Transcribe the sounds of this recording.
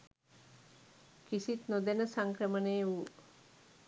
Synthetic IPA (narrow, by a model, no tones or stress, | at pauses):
kisit̪nod̪enəsaŋkrəmənejuː